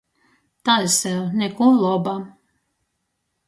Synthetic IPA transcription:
t̪alsɛnɛkulˠɔba

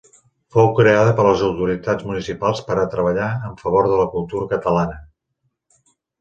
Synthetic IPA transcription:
fowkɾeaðəpəɾləzəwt̪uɾit̪ad͡zmunisipalˠspəɾət̪ɾəβəʎaəɱfəβ̞oɾðələkulˠt̪uɾəkət̪əlanə

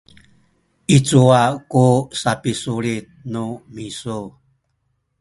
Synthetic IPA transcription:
it͡suakusapisuɾit̪̚numisu

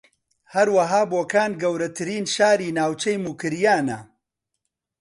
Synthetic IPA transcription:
hɐɾwɐɦaːboːkaːnɡɐwɾɐt̪ʰɨɾiːnʃaːɾiːnaːwt͡ʃɐjmuːkɨɾjaːnɐ

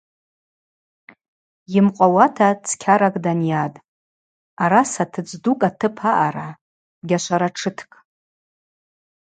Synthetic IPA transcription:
jɪmqʷʼawatʰat͡sʰkʲʰaɾakʼdanjatʼ | aɾasatʰɨt͡sʼdukʼatʰɨpʰaʔaɾa | ɡʲaʃʷaɾaʈ͡ʂʰɨtʰkʼ

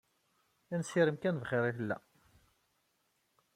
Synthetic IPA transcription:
ænsiɾəmkænvχɪɾiθəlːæ̰

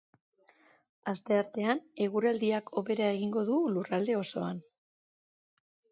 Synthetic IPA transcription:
ast̪e̞aɾt̪e̞ane̞ɣuɾald̪iakʰo̞βe̞ɾae̞ɣiŋɡo̞ðulurald̪e̞o̞so̞an

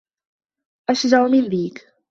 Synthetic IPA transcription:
ʔaʃd͡ʒaʔmɪnðiːk

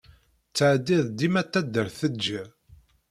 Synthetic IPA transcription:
t͡sːəʕd̪iðˤd̪imæt̪ːæd̪ːəɾθəd͡ʒæ

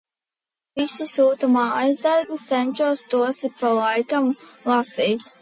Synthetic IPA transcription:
visisuːt̪umaːajzd̪aɾbit̪sɛnʲt͡ʃuɔst̪uɔsipalˠajkamlˠasiːt̪

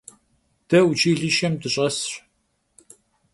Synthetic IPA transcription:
d̥ɐwt͡ʃiːɮiʃɐmdɨɕʼɐsr

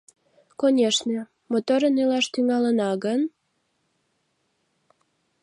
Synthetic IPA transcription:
konʲeʃne | mot̪oɾənilɑʃt̪yŋɑlənɑɣən

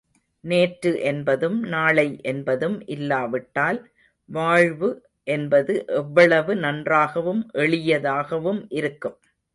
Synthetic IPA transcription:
neːʈɾɯʔɛnbɐðɯmnaːɭɐɪʔɛnbɐðɯmʔɪlːaːʋɪʈːaːl | ʋaːɻʋɯ | ʔɛnbɐðɯʔɛʋːɐɭɐʋɯnɐndraːɣɐʋɯmʔɛɭɪjɐðaːɣɐʋɯmʔɪɾɯkːɯm

